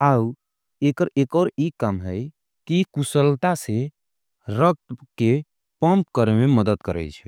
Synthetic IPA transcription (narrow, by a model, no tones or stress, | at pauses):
au | ekəɾekɔɾikəmɦəj | kikusəlt̪ase | ɾək̚t̪ke | pəmp̚kəɾmeməd̪əd̪kəɾɛ̰jt͡ʃʰɛ